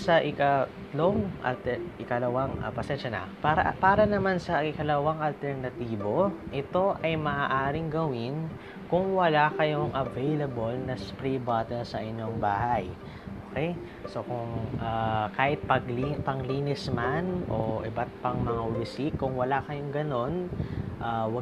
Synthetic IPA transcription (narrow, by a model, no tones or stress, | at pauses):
sɐʔɪkɐt̪loŋɐ̰lt̪ɛʔɪkɐlɐwaŋɐ̰pɐsɛnʃɐnɐ̰paɾɐ̰paːɾɐnɐmansɐʔɪkɐlɐwaŋʔɐlt̪ɛɾnɐt̪iːbo̞ʔɪt̪o̞ʔɐjmɐʔaːʔaːɾɪŋɡɐwɪn | kʊŋwɐlakɐjoŋʔɐvejlɐbolnɐspɾibat̪ɛnsɐʔɪɲjo̞ŋbaːɦaj | ʔoːkɛj | so̞kʊŋʔakaːhɪt̪̚pɐɡlipɐŋliːnɪsmanʔo̞̰ʔɪbɐt̪̚pɐŋmɐŋaʊlɪsikːʊŋwɐlakɐjoŋɡɐno̞nʔaːwɐ